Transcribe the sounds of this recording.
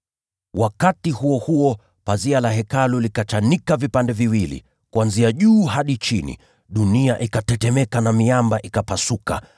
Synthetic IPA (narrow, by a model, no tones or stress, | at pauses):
wʔakatihuɔhuɔ | pazialaɦɛkalulikat͡ʃanikavipandɛviwilḭ | kuanziaʄuːhaɗit͡ʃinḭ | ɗuniaʔikatɛtɛmɛkanamiambaʔikapasuka̰